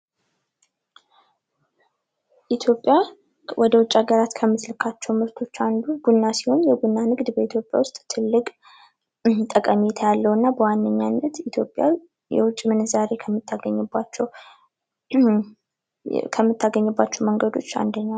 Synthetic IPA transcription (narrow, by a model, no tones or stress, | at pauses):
ʔit̪ʰjo̞pʼja | wʔɔd̪əwɔt͡ʃʼːaɡəɾat̪kʰəmːɨslɨkʰːat͡ʃːɛwmɨɾt̪ʰo̞t͡ʃːand̪uɡunːasiho̞njɛɡunːanɨɡd̪bəit̪ʰjopʼja̰wʊst̪ʼt̪ʰɨlːɨkʼ | t̪ʼəkʼəmit̪ʰəjalːəwɨnːabəwanːəɲːanːət̪it̪ʰjo̞pʼja̰ | jɛ̰wʊt͡ʃʼːmɨnɨzaɾe̞kʰəmt̪ːaɡəɲːbat͡ʃːɛ | kʰəmːɨt̪ʰːaɡəɲːɨbːat͡ʃːɛwməŋɡəd̪o̞̰t͡ʃːa̰nd̪əɲːa